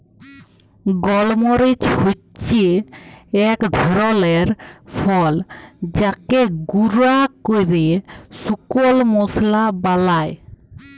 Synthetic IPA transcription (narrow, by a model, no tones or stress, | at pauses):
ɡɔlmoɾit͡ʃho | t͡ʃie | ɛkd̪ʱɔɾɔleɾpʰɔld͡ʑakeɡuɾakojɾesukolmɔslabalaj